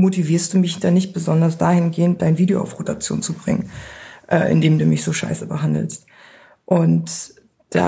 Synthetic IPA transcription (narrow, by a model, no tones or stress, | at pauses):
motiviːɐstd̥uːmɪçd̥anɪçt̚b̥əzɔndɐsd̥aːhɪnɡeːənt̚d̥aɪnviːdeo̰ʔa̰ʊfʁ̥otat͡sjo̰ːnt͡subʁɪ̰ŋənʔɛ̰ːʔɪ̰ndeːmduːmɪçz̥oːʃa̰ɪsəbəɦandl̩st | ʔʊnt | d̥a̰